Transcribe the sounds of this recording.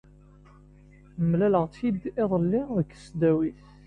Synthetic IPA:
mlæləʁt͡sjid̪eðˤəlːiðəkːə̥sd̪æwiθ

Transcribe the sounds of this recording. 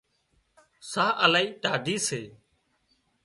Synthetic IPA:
saːʔəlaːiːʈaːd̪iːseː

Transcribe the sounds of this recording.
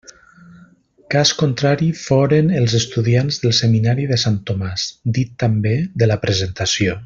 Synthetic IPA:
kaskont̪ɾaɾifoɾənəlˠzəst̪uðianzðəlˠsəminaɾiðəsant̪omaz̥d̪it̪ːambeðələpɾəzənt̪asio

